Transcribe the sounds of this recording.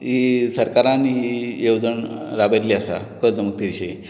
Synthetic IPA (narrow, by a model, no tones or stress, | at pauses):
ɦisəɾkaɾãniɦijewd͡zəɳɾabajliasa̰kəd͡zəmək̚t̪iʋiɕəi